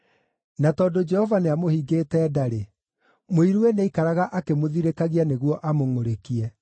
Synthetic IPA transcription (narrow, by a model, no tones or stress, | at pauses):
natɔdod͡ʒɛhɔvaneamohiɡetɛːdaɾe | moiɾuɛneikaɾaɣaʔakemoðiɾekaɣianeɣwɔʔamoŋoɾekiɛ